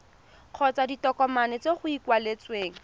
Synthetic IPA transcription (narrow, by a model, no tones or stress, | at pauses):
q͡χʰɔt͡saditɔkɔmanɛt͡seχʊikwalet͡sweːŋ̩